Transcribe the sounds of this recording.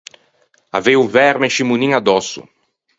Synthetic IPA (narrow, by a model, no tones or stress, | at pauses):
avejuvɛɾmẽʃimunĩŋad̪ɔsʊ̰